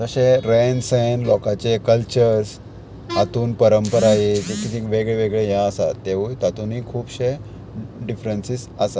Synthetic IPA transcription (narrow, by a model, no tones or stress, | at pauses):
d͡zəɕeɾensenlɔkat͡ɕekəlt͡ɕəɾɾs | at̪uːnpəɾəmpəɾajed͡ʑet̪ʰit̪ʰikʋeɡɭeʋeɡɭejãəsa̰t̪ːeʋujt̪at̪uniːkʰuːbɕe | ɖifɾensis | əsa